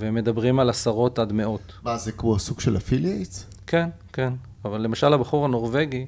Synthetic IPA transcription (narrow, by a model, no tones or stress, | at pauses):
veemːe̞d̪abʁimalasaʁo̞tadme̞o̞t | mazekmoasuɡʃelafilejt͡s | ken | ken | avalːemaʃalabaχuʁano̞ʁveɡi